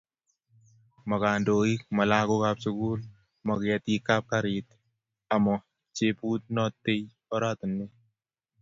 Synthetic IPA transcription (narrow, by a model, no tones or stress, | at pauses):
mɐkaːndoːik̚mɐlaːkokapsʊkuːl | mɐkat̪ikːap̚kaɾit̪ | amɔ | t͡ʃepuːt̪̚nɔt̪ːej | ɔɾat̪ənːe